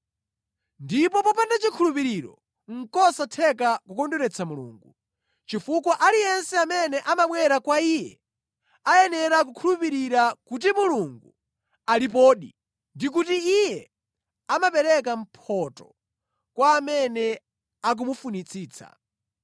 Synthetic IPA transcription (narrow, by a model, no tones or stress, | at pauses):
ndipɔpɔpandat͡ʃikʰulupiɾiɾɔ̰ | ŋ̩kɔsatʰɛk̬akukɔnduɾɛt͡sʰamulṵːŋɡu | t͡ʃifukwaʔalijɛnsɛamɛnɛʔamaɓwɛɾakwaijɛ̰ | ajɛnɛɾak̬ukʰulupiɾiɾakut̬imuluŋɡu | alip̬ɔːɗi | ndik̬utiijɛ | amapɛɾɛkam̩pʰɔtɔ | kwaːmɛnɛ | ak̬umufunit͡sʰiːt͡sʰa̰